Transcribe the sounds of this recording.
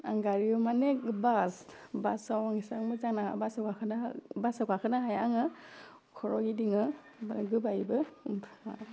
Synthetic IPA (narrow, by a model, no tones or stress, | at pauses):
a̰ŋɡaɾiɔmanekbasbasawaŋisaŋmɯzaŋna̰basakʰakʰɯnabasakakʰɯnaɦajaŋɯ | kʰɔɾɔɡidiŋɯ | ɡɯbajbɯ